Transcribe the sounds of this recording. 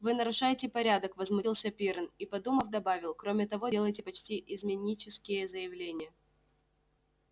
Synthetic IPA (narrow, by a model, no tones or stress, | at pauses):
vɨnəɾʊʂajɪtʲɪpɐɾʲad̪əkvəzmʊlˠsʲɐpʲiɾnipɐd̪uməfd̪ɐbavʲɪlˠkɾo̞mʲɪt̪ɐvo̞elˠəjtʲɪpɐt͡ɕtʲiʔɪzmʲɪnʲit͡ɕɪskʲɪjəzəjɪvlʲenʲɪjə